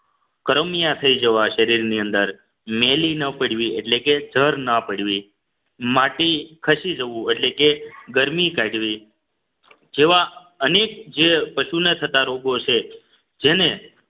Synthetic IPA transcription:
kəɾəmijãt̪ʰəid͡ʒəʋaʃəɾiɾniənd̪əɾ | melinəpəɽ̤ʋieʈleked͡ʒʱəɾnəpəɽʋi | maʈikʰəʃid͡ʒəʋũeʈlekeɡəɾmikaɖʋi | d͡ʒeʋa | ənek̚d͡ʒepəʃunet̪ʰət̪aɾoɡot͡ʃʰe | d͡ʒene

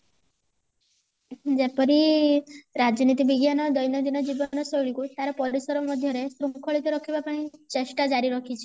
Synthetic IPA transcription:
d͡ʒepɔɾi | ɾad͡ʒɔnit̪ibiɡjanɔd̪ɔjnɔd̪inɔd͡ʒibɔnɔsɔjɭikut̪aɾɔpɔɾisɔɾɔmɔd̪ʱjɔɾesɾukʰɔɭit̪ɔɾɔkʰibapaɽ̃it͡ʃeʃʈad͡ʒaɾiɾɔkʰit͡ʃʰe̥

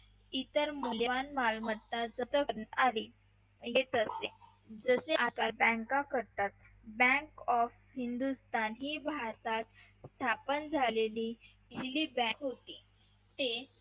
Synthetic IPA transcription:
it̪əɾmuljəʋanmalmət̪ːad͡zət̪əɾnaɾi | jet̪əse | d͡zəseʔak̪abə̃ŋkakəɾt̪at̪̚ | bə̃kɔf | ɦind̪ust̪ʰanɦiːbʱaɾt̪at̪ | st̪ʰapənd͡zʱaleliː | ilibɛ̃kɦot̪iː | t̪e

